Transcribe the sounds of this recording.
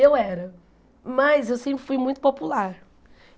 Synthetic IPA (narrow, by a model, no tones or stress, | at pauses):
ewɛɾɐ | mɐzewsẽmpɾɪfujmũj̃t̪upɔpulˠaɾ